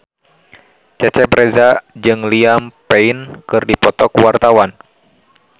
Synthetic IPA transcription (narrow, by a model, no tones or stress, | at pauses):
t͡ʃɛt͡ʃɛbɾɛzad͡ʒɨŋliampɛinkɨrdipɔt̪ɔkuwart̪awan